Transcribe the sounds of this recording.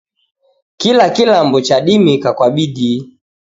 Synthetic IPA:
kilakilambɔt͡ʃaɗimikakwaɓidi

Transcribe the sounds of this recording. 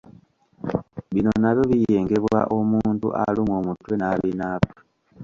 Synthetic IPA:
βino̞naβjo̞βije̞ːŋɡe̞βwa̰ʔo̞muːntṵʔa̰limomutwe̞naβinaːpo̥

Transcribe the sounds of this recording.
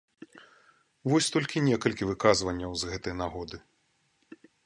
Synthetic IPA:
vɔsʲt̪ɔlʲkʲinʲɛkɐlʲkʲivɨkazvɐnʲːɐwzɣɛt̪ɐjnaɣɔd̪ɨ

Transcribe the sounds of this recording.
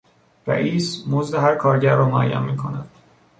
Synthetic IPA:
ɾæ̰ʔiːsmozd̪eɦæɾkʰɒːɾɟæɾːɒːmoæ̰jːæ̰nmiːkʰo̞̰næd̪̥

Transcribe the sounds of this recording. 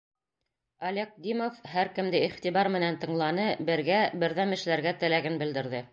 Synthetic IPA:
ɐlʲek̚d̪imofɦæɾkɘ̆md̪ɘiχt̪iβɑɾmɘ̆nænt̪ɤ̆ɴlˠɑnɤbɘ̆ɾɡæbɘ̆ɾðæmɘ̆ʃlæɾɡæt̪æ̆læɡɘnbɘ̆ld̪ɘ̆ɾðɘ

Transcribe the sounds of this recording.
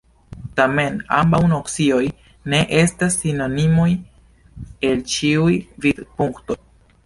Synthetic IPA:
tame̞na̰mbawnoksio̞j | ne̞ʔe̞stasːino̞nimoj | e̞lt͡ʃiujvid̪puŋkto̞j

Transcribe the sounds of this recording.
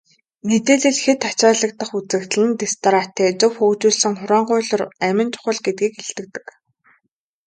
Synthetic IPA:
met̪eːɮɘ̆ɮxet̪at͡ɕaːɮə̆k̚t̪ə̆χut͡sɘ̆kt̪̆ɮɘ̆nt̪ist̪ʰɔɾat̪ʰeːt͡sʊwxɵwt͡ɕuːɮsɘ̆ŋχʊɾaːɴɢʊːɮə̆ræmʲɪ̆nt͡ɕʊ̥χə̆ɮɡet̪̚ɡiːkeɬt̪ɘ̆k̚t̪ɘ̆k

